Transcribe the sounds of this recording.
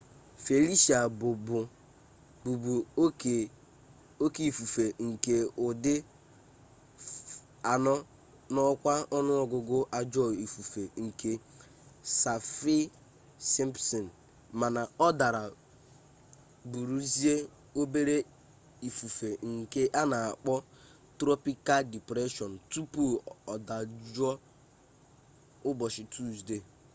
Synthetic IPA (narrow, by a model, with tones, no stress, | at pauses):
fe˨li˦sa˨bʊ˨bʊ˨ | bu˨bu˨ | o˦ki˨fu˨fe˨ŋ̩˨ke˦ʊ˨dɪ˦ | a˨nɔ˦ | nɔ˦kʷa˦ɔ˦nʊ˦ɔ˨ɡʊ˦ɡʊ˦ʔa˦d͡ʒɔ˦˨i˨fu˨fe˨ŋ̩˨ke˦ | sa˨fi˦ | si˦m˦psɔ˨n̩˨ | ma˨na˨ɔ˦da˨ɾa˨ | bu˨ɾu˦zi˦e˦ | o˦be˦ɾe˦ | i˨fu˨fe˨ŋ̩˨ke˦ʔa˦na˨a˨k͡pɔ˦ | tɾɔ˦pi˦ka˦ldi˨pɾe˦ʃɔ˨n̩˨tu˦pu˦ɔ˨da˨d͡ʒɔ˦ | ʊ˦bɔ˨ʃɪ˨tʰu˦˨zde˨